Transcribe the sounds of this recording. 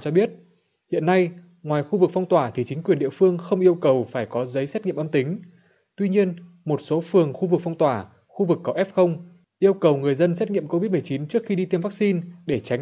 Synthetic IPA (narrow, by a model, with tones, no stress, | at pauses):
t͡ɕɔ˧ɓi˦˥ət̚ | hḭ˧˨ənːa˧j | ŋwaː˨˩jxu˧vɨ˨˩k̚fa˧wŋ͡mt̪waː˧˩t̪ʰi˨˩t͡ɕï˨˦ŋ̟kwi˨˩nɗḭ˧˨əfɨ˧əŋxə˧wŋ͡mʔi˧əwkə˨˩wfaː˧˩jkɔ˨˦zə˨˦jsɛ˦˥t̚ŋḭ˧˨əmʔə˧mt̪ï˨˦ŋ̟ | t̪wi˧ɲi˧ən | mo˨˩t̚so˨˦fɨ˨˩əŋxu˧vɨ˨˩k̚fa˧wŋ͡mt̪waː˧˩ | xu˧vɨ˨˩kːə˨˦wʔɛ˦˥p̚xə˧wŋ͡m | ʔi˧əwkə˨˩wŋɨ˨˩əjzə˧nsɛ˦˥t̚ŋḭ˧˨əmko˧vi˦˥t̚m˨˩jt͡ɕi˨˦nt͡ɕɨ˦˥ək̚xi˧ɗi˧t̪e˧mvaː˦˥k̚si˧nɗe˧˩t͡ɕa˨˦